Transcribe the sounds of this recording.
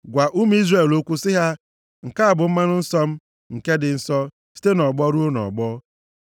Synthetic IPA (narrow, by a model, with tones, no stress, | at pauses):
ɡʷa˨ʔu˦m˦i˦zre˨lo˦kʷu˦sɪ˦ɦa˦ | ŋ̩˨ka˦a˨bʊ˨m̩˦ma˦nʊ˦n̩˦sɔ˦m̩˦ | ŋ̩˨ke˦dɪ˨n̩˦sɔ˦ | si̥˦te˦nɔ˨ɡ͡bɔ˦ɾu˦o˦nɔ̰˨ɡ͡bɔ˦